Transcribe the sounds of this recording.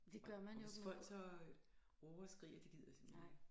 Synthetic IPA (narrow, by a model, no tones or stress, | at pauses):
d̥e̝ɡ̥ɶɐmænjofɒ̽l̰d̥sɒ | ʁɔɐsɡ̥ʁḭːɐd̥e̥ið̰ˠɐ̥semeeɡ